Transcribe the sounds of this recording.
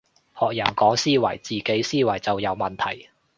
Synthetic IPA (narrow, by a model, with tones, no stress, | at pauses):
hɔː˨k̚jɐː˨˩ŋkɔː˨˥ŋsiː˥wɐ̰˨˩jt͡siː˨ke˨˥jsiː˥wɐ˨˩jt͡sɐ˨wjɐ˨˧wmɐ˨nt̪ʰɐ̰˨˩j